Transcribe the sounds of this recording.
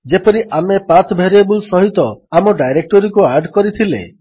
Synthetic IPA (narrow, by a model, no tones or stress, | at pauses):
d͡ʒepɔɾiʔamepat̪ʰbʱeɾebulsɔɦit̪ɔamɔɖajɾek̚ʈɔɾikuaɾɖkɔɾit̪ʰilḛ